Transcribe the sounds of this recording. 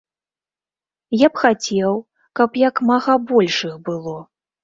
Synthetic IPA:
japxat͡sʲɛw | kɐpjakmaɣabɔlʲʂɨxbɨlˠɔ

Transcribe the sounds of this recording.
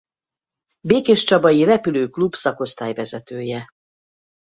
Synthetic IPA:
beːkeʃt͡ʃɒbɒjirɛpyløːklubsɒko̞st̪aːjvɛzɛt̪øːjɛ

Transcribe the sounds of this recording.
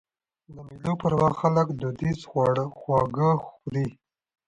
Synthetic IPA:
d̪əmilopəɾwaɣxaləkd̪ud̪isɽxwɑɡəxd̪i

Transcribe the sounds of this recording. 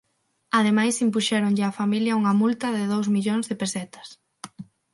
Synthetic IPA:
aðemajsimpuʃɛɾoŋʎɪafamiljɐuŋɐmult̪ɐðɪðowzmiʎoŋzðɪpesɛt̪ɐ̥s

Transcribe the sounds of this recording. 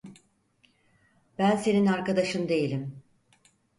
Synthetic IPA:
b̥ænse̞ninaɾkad̪aʃɯnd̪e̞jilʲim

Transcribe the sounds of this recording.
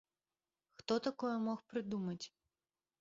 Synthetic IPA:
xt̪ɔt̪akɔjɛmɔxpɾɨd̪umɐt͡sʲ

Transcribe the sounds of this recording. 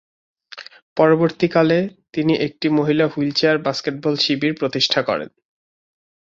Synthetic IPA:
pɔɾoboɾt̪ikalet̪iniʔek̚ʈimoɦilaɦult͡ɕaɾbaskeʈ̚bɔlʃibiɾpɾot̪iʃʈʰakɔ̰ɾḛn

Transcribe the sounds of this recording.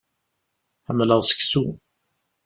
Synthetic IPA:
ħəmːləʁsə̥ksu

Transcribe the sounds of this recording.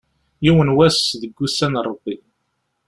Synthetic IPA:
jiwənwæsðəɡːusːænrˤːəbːi

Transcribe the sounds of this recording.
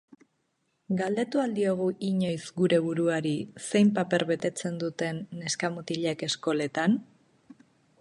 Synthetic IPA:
ɡald̪e̞t̪uald̪io̞ɣ̞uʔiɲo̞jzɡuɾe̞βuɾuaɾise̞jmpape̞ɾβe̞t̪e̞t͡se̞nd̪ut̪e̞nːe̞skamut̪iʎeke̞sko̞le̞t̪an

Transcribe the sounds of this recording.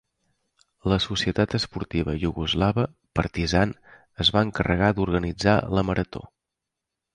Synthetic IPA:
ləsusiət̪at̪əspuɾt̪iβəʎuɣuzlaβə | pəɾt̪izan | əzβaəŋkərəɣad̪uɾɣənid͡za̰ləməɾət̪o̰

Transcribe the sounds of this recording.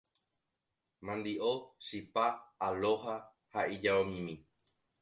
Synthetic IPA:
mãnd̪iʔoʃipaːloɦa | haid͡ʒaomĩmĩ

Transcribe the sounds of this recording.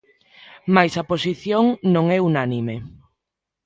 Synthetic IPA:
majsɐposiθjoŋnõŋɛunanime

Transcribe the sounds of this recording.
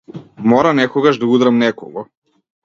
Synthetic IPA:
mɔɾanɛkɔɡaʒd̪aud̪ɾamnɛkɔ̰ɡɔ

